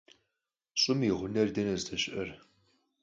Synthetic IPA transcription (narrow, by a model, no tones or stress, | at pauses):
ɕʼʊmiʁʷʊnɐrdɐnɐzdɐɕʼɪʔɐr